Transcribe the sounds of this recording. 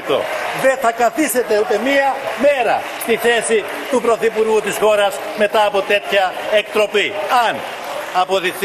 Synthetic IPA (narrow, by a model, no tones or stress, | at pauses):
t̪o̞̰ðeθɐkɐθise̞t̪e̞ut̪e̞miɐme̞ɾɐ̰st̪iθe̞si | t̪upɾo̞θipuɾɣut̪isxo̞ɾɐs | me̞t̪ɐːpo̞t̪e̞t̪çɐek̚t̪ɾo̞piɐn | ɐpo̞ðixθ